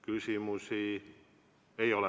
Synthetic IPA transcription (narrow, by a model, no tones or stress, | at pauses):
kylsimːusiː | eiole